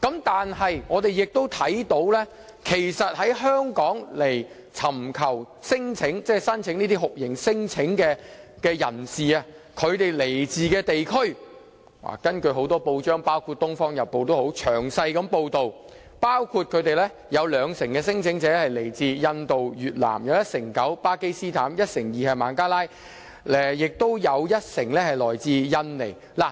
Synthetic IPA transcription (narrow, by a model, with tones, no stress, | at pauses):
kɐ˨˥mt̪aː˨nɦɐ˨jŋɔː˨˧t̪e˨jɪ˨k̚t̪o˥wt̪ʰɐ˨˥jt̪o˨˥wlɛː˥ | kʰe˨˩jsɐ˨t̚hɐ˨˥jɦœː˥ŋkɔː˨˥ŋle˨˩j | t͡sʰɐ˨˩mkʰɐ˨˩w | sɪ˥ŋt͡sʰɪ˨˥ŋt͡sɛː˥sɐ˥nt͡sʰɪ˨˥ŋniː˥t̪i˥ɦʊ˨k̚jɪ˨˩ŋsɪ˥ŋt͡sʰɪ˨˥ŋkɛː˧kɛː˧jɐ̰˨˩nsiː˨a˧kʰɵ˨˧ɥt̪e˨jle˨˩jt͡siː˨kɛː˧t̪e˨jkʰɵ˥ɥ | a̰ː˨˩kɐ˥nkɵ˧ɥɦo˨˥wt̪ɔː˥po˧wt͡ʃœː˥ŋpaː˥wkʰu˧t̚t̪ʊ˥ŋfɔː˥ŋjɐ˨˩t̚pːo˨wt̪o˥who˨˥wt͡ʃʰœː˨˩ŋsɐ˧jkɐ˨˥mpo˧wt̪o˨w | paː˥wkʰuː˧t̚kʰɵ˨˧ɥt̪e˨jlɛ˥ | jɐ˨˧wlœː˨˧ŋsɪ˨˩ŋkɛː˧sɪ˥ŋt͡sʰɪ˨˥ŋt͡sɛː˨˥hɐ˨jle˨˩jt͡siː˧jɐ˧nt̪o˨wjyː˨t̚la̰ː˨˩mjɐ˨˧wjɐ˥t̚sɪ˨˩ŋkɐ˨˥wpaː˥ke˥jsiː˥t̪ʰaː˨˥mjɐ˥t̚sɪ˨˩ŋjiː˨hɐ˨˩maː˨˥nkaː˥laː˥j | ɛ˨jɪ˨k̚t̪o˥wjɐ˨˧wjɐ˥t̚sɪ˨˩ŋlɛː˥hɐ˨jlɔː˨jt͡siː˧jɐ˧nle˨˩j | laː˨˩